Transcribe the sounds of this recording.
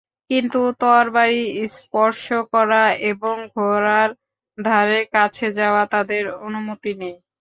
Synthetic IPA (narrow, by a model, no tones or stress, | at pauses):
kint̪ut̪ɔɾbaɾispɔɾʃokɔɾaeboŋɡʱoɾaɾ | d̪ʱaɾekat͡ɕʰed͡ʑaoat̪ad̪eɾonumot̪inej